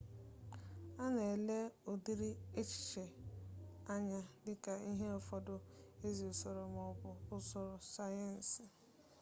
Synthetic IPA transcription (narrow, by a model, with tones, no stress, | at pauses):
a˦ne˨le˦o˨di˦ɾi˦e˦t͡ʃi̥˨t͡ʃe˨ | a˦ɲa˦dɪ˦ka˨i˦ɦe˦ʊ˨fɔ˦dʊ˦e˦zi˨ʊ˨so˨ɾo˨mɔ˨bʊ˨ʊ˦sɔ˨ɾʊ˨sa˦ja˦˨n̩˨sɪ˨